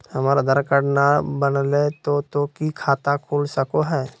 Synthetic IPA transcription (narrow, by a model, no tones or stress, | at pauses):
həmaːɾad̪əɾkəɽnabənlet̪ot̪okikʰaːt̪akʰuːlsəkoɦɛː